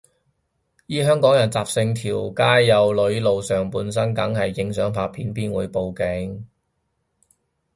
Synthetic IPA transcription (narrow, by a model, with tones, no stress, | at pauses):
jiː˥ɦœː˥ŋkɔː˨˥ŋjɐ˨˩nt͡saː˨p̚sɪ˧ŋt̪ʰiː˨˩wkaː˥jːɐ˨˧wlɵ˨˧ɥlo˨˧wsœː˨ŋpuː˨˧ns̬ɐ˥nkɐ˨˥ŋhɐ˨jːɪ˨˧ŋsœː˨˥ŋpʰaː˧pʰiː˨˥npiː˥nwuː˨˧jpo˨˧wkɪ˨˥ŋ